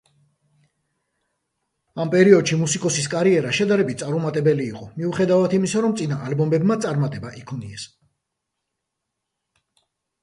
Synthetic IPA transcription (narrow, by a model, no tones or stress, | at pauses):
ampʼɛɾiɔd̪ʃimusikʼɔsis̬kʼaɾiɛɾaʃɛd̪aɾɛbit̪sʼaɾumat̪ʼɛbɛliːqʼɔmiuχɛd̪avat̪ʰimisaɾɔmt̪sʼinaʔalbɔmbɛbmat̪sʼaɾmat̪ʼɛbaʔikʰɔniɛs